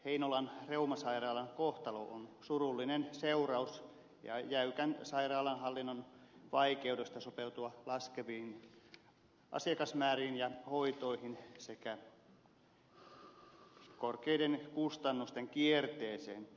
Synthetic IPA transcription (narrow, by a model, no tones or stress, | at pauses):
heinolɑnreumɑsɑirɑːlɑŋkoht̪ɑlo̰ʔonsurulːinenseurɑus | jɑ̰jæykænsɑirɑːlɑnhɑlːinːonʋɑikeudest̪ɑsopeut̪uɑlɑskeʋiːin | ʔɑ̰siɑkɑsmæːriːnjɑhoit̪oihinsekæ | korkeidenkust̪ɑnːust̪eŋkiert̪eːsḛːn